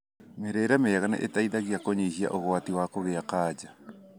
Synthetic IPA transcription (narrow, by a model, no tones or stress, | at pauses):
meɾeɾameaɣanɛ̰ʔetaiðaɣjakoɲihia̰ʔoɣwatiwakoɣeakaːd͡ʒa